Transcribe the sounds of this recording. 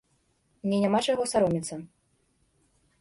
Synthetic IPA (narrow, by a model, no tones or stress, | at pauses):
nʲɛnʲamat͡ʂajɣɔsaɾɔmʲit̪sɐ